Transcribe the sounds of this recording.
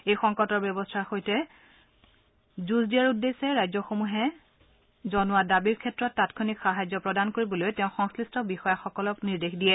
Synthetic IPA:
ejxɔŋkɔtɔɹbjɔbɔstʰaɹxojtɛ | zuzdijaɹudːesɛɹajzɔxomuɦɛ | zɔnʊwadabiɹkʰɛtɹɔtːatkʰonikxaɦajzɔpɹɔdankoɹibɔlojtɛʊ̃xɔŋsklɹistɔbixɔjaxɔkɔlɔkniɹdexdijɛ

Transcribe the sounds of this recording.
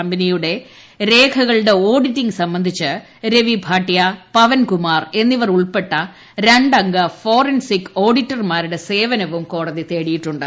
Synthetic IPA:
ɐmbɐnijuɽe̞ | ɾe̞ːkʰɐɣɐɭɽe̞o̞ːɖitːiŋɡsɐmbɐnd̪ʱit͡ɕːɨ | ɾe̞ʋibʱaːʈːjɐpɐʋɐnkumaːre̞nːiʋɐruɭpe̞ʈːɐ | ɾeɳɖɐŋɡɐfo̞ːrɐnsikːo̞ːɽitːɐrmaːɾuɽe̞se̞ːʋɐnɐʋumko̞ːɽɐðit̪e̞ːɽijiʈːuɳɖɨ

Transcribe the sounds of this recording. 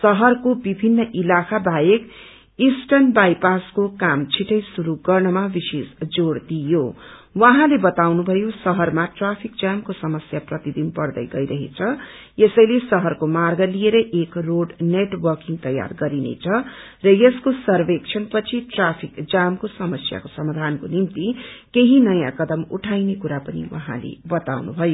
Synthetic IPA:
sʌɦʌrkobibʱinːʌʔilakʰabajek | isʈʌnbajpaskokamt͡sʰiʈʌjsuɾuɡʌrnʌmabisesd͡zoɽd̪ijo | wãɦãlebʌt̪awnubʱʌjosʌɦʌrmaʈrapʰik̚d͡zamkosʌmʌsjaprʌt̪id̪inpʌrd̪ʌ̰jɡʌjɾʌɦḛt͡sʰʌ | jesʌjlesʌɦʌrkomarɡʌlijeɾʌʔekroɖneʈwʌrkiŋt̪ʌja̰rɡʌɾinḛt͡sʰʌ | rʌjeskosʌrbekt͡sʰʌnpʌt͡sʰiʈrapʰikd͡zamkosʌmʌsja̰kosʌmad̪ʱankonimt̪ikeɦinʌjãkʌd̪ʌmuʈʰajnekuɾapʌnḭwʌ̰ɦã̰lḛbʌt̪awnṵbʱʌjo

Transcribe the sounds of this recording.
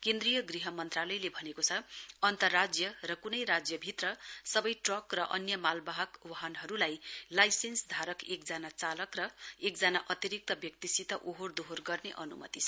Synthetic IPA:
kẽnd̪rijʌɡriɦʌmʌnt̪ralʌjlebʱʌnekot͡sʰʌʌnt̪ʌrːad͡zjʌrʌkunʌjɾad͡zjʌbʱit̪rʌsʌbʌjʈrʌkrʌʔʌnjʌmalbaɦʌkwaɦʌnɦʌɾulajlajsensd̪ʱaɾʌkek̚d͡zanat͡salʌkrʌekd͡zanaʔʌt̪iɾik̚t̪ʌbjʌk̚t̪isit̪ʌʔoɦord̪oɦorɡʌrneʔʌnumʌ̰t̪it͡sʰʌ

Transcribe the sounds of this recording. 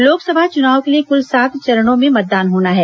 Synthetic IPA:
loːksɐbʱat͡ʃʊnaːʋkeliekʊlsaːt̪ʰt͡ʃɐɾəɽõmẽmɐt̪̚d̪aːnɦoːnaɦɛː

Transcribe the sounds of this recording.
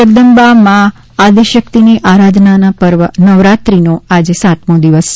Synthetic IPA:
əɾd̪əmbamãː | d̪iʃəkt̪iniʔaɾad̪nanapəɾʋənəʋɾat̪ɾinoad͡ʒsat̪mõd̪iʋəs

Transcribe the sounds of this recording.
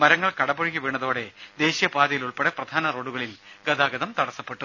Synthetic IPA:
mɐɾɐŋːɐɭkɐɽɐboɻikʲːiʋeːɳːɐðoːɽe̞d̪e̞ːɕijɐpaːd̪ɐjiluɭpeɽɐprɐd̪ʱaːnɐro̞ːɽuɣɐɭilɡɐd̪aːɡɐðɐmt̪ɐɽɐsːɐpːe̞ʈːu

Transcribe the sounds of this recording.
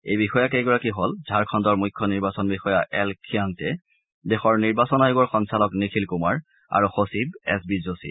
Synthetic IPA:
ejbixɔjakeɡɔɹakiɦolzʱaɹkʰɔndɔɹmujkʰːɔniɹbasɔnbixɔjaʔɛlkʰiaŋtɛ | dexɔɹniɹbasɔnaeɡɔɹxɔnsalɔknikʰilkumaɹ | a̰ɹuxosibɛ̰sbizosḭ

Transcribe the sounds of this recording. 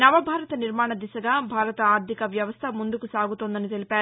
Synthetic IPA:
nɐʋɐbʱaːɾɐt̪ɐniɾmaːɳɐd̪isɐɡaːbʱaːɾɐt̪ɐaːɾd̪ʱikɐʋjɐʋɐst̪ʰɐmund̪ukusaːɡut̪oːnd̪ɐnit̪e̞lipaːɾu

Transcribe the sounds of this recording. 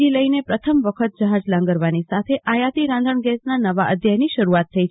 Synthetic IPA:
iləinepɾət̪ʰəmʋəkʰət̪̚d͡ʒəɦad͡ʒlãŋɡəɾʋanisat̪ʰeʔajat̪iɾãnd̪ʱəɳɡɛsnanəʋaʔəd̪ʱjaɦniʃəɾuat̪ʰːəi

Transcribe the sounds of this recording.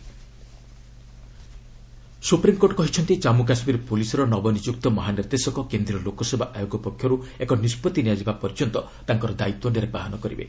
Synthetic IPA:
supɾimkoʈɔkɔɦit͡ʃʰɔnt̪it͡ʃamuk̬asmiɾpolisɔɾɔnɔbɔnid͡ʒukt̪ɔmɔɦaniɾd̪esɔkɔkend̪ɾiɔlokɔsɔbʱaʔajoɡɔpɔkʰːjɔɾu | ekɔnispɔt̪iniad͡ʒibapɔɾd͡ʒɔnt̪ɔ | t̪aŋkɔɾɔd̪ait̪wɔɖeɾebaɦɔnɔkɔɾḭbḛ

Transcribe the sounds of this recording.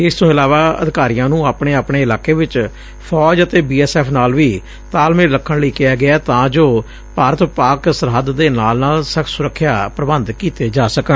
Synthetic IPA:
ɪst̪õːɪlaːʋaːə̰d̪ɪkaːɾijãːnũːaːpɳeːaːpɳeːɪlaːkeːʋɪt͡ʃ | pʰɔːd͡ʒət̪eːbiːɛːsɛːpʰnaːlʋiː | t̪aːlmẽːləkʰːəɳləiːkɪjaːɡɪɛːt̪ãːd͡ʒoː | paːɾət̪paːksəɾɦəd̪d̪eːnaːlnaːlsəkʰsʊɾəkʰːjaːpɾəbənd̪kiːt̪eːd͡ʒaːsəkə̃

